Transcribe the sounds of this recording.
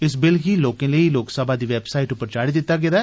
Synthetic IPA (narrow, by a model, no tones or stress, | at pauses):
ɪs̬bɪlɦiːloːkẽləiːloːksəbaːd̪iːʋɛːbsaːiːʈʊpːəɾt͡ʃaːɽiːd̪ɪt̪ːaːɡed̪aː